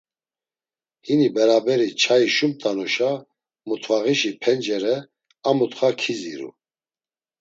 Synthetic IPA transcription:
hinibɛɾabɛɾit͡ʃʰajiʃumt̪ʼanɔʃa | mut̪ʰvaʁiʃipʰɛnd͡ʒɛɾɛ | amut̪χakʰizḭɾṵ

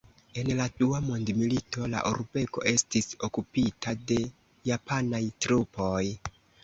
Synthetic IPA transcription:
e̞nladuamondmilito̞la̰ʔuɾbe̞ko̞̰ʔe̞stiso̞kupitʰade̞ | japanajtɾupo̞j

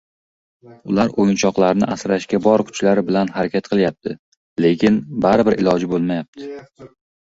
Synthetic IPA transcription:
ʊ̰laɾojɪnt͡ʃʰɒqlˠaɾnɪ̰ʔasɾaʃkʲabɒɾkʰʊ̥t͡ʃlaɾɪbɪlanhaɾakʲʰat̪qʰɨlˠjap̚t̪ʰɪ | le̞kʲʰɪnbaɾɪbɪɾɪlɒd͡ʒɪbolˠmajap̚t̪ʰɪ

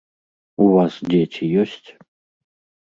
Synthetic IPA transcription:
uvasd̪ʲetʲʰijɔsʲtʲ

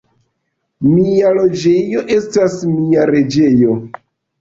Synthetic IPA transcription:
mialo̞d͡ʒe̞jo̞ʔe̞stasmiaɾe̞d͡ʒe̞jo̞

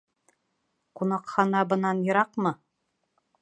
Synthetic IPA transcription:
qunɑqχɑnɑbɤ̆nɑnjɤ̆ɾɑqmɤ

